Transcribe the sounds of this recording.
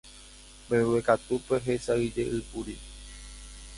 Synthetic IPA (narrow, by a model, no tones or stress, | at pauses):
mbẽwekat̪upe̞ɦesaid͡ʒeʔɨpuɾi